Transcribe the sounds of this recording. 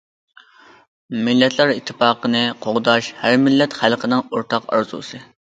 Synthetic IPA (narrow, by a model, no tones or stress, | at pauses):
mɪlːɛt̪ʰlˠɛɾit̪ʰːɪpɑːqənɨqʰoʁd̪ɑʃhæɾmɪlːɛt̪χælˠqʰənɪŋoɾt̪ʰɑqɑ̰ɾzṵsɨ